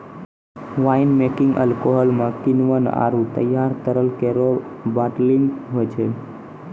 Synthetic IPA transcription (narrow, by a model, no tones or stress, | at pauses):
ʋainmekɪŋɡə̰lkoɦɔlmãkinʋəna̰ɾut̪ə̰jaɾt̪əɾəlkeɾobaʈliŋɡɦot͡ʃʰe